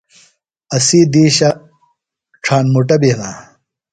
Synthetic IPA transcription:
ɐsiːd̪iːɕɐ | ʈ͡ʂʰaːnmuʈɐbena

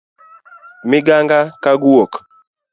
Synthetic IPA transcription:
miɡaŋɡakaɡuɔk

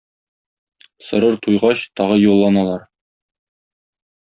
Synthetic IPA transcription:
sɤ̆ɾɤɾt̪ujʁɑɕt̪ɒʁɤjulˠːɑnɑlˠɑɾ

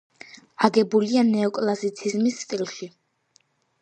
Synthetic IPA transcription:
aɡɛbulianɛɔkʼlˠasit̪sʰizmisːt̪ʼilˠʃi

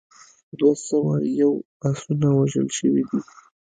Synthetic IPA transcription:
d̪wasawajaw | asunawaʒə̰lʃəwid̪i

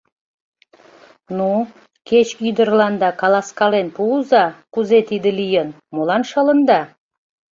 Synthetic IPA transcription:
nu | ket͡ɕyd̪ərlɑnd̪ɑkɑlɑskɑlenpuuzɑkuzet̪id̪ə̆lijən | molɑnʃɑlənd̪ɑ

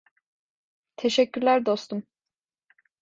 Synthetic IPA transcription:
t̪ʰeʃɛcʰːyɾlʲæɾd̪o̞st̪ʰum

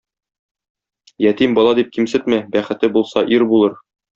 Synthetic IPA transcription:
jæt̪imbɒlˠɑd̪ip̚kimsɘt̪mæbæχɘ̆t̪ɘbulˠsɑʔiɾbulˠɤɾ

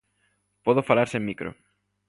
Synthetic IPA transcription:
pɔðofalaɾsẽŋmikɾo̰

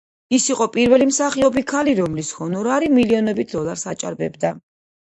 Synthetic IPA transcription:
isiqʼɔpʼiɾvɛlimsaχiɔbikʰaliɾɔmlishɔnɔɾaɾimiliɔnɛbit̪ʰd̪ɔlˠaɾsat͡ʃʼa̰ɾbɛ̰bd̪a

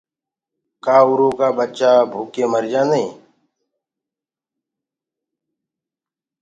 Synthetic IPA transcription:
kaːʊɾõːkaːbət͡ʃaːbʱuːkeːməɾd͡ʒãːnəḭ̃ː

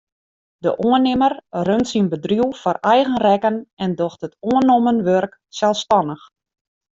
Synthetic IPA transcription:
də̰ʔoənɪmərrøntsinbədriuwfɔrɛjɣənrɛkənɛndoxtɦətoənomənʋørk | sɛlˠstɔnəx

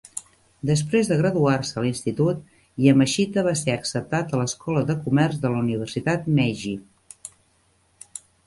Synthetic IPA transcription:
d̪əspɾezðəɣɾəðuarsəlinst̪it̪ut̪ | iəməʃit̪əβ̞aseəksəp̚t̪at̪ələskɔləðəkumɛrzðəluniβ̞ərsit̪at̪mɛʒi

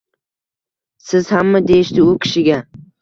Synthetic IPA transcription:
sɪz̥hamːad̪e̞jɪʃt̪ɪʊkʲʰɪ̥ʃɪɡʲa

